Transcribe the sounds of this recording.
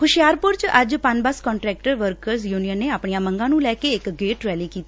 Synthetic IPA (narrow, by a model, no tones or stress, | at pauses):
kʰʊʃijaːɾpʊɾt͡ʃəd͡ʒpənbəskɔ̃ːɳʈɾɛːk̚ʈəɾʋəɾkəɾzjuːnijənːeːaːpɳijãːməŋɡãːnũːlɛːkeːɪkɡeːʈɾɛːliːkiːt̪i̥